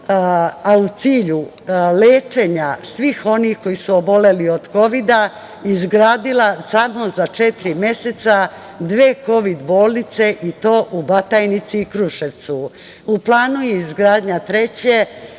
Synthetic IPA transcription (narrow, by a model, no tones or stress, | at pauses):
aut̪siːʎu | leːt͡ʃe̞ɲasʋixo̞nihko̞jisuobo̞le̞lio̞d̪̥ko̞ʋid̪a | izɡɾaːd̪ilasamozat͡ʃe̞t̪iɾimje̞se̞t̪sa | d̪ʋeːko̞ʋid̪bo̞ːlˠnit̪se̞ʔit̪o̞ːʔubat̪ajnit̪siːkɾuʃe̞ʋt̪su | uplˠaːnujeizɡɾaːd̪ɲat̪ɾe̞t͡ɕe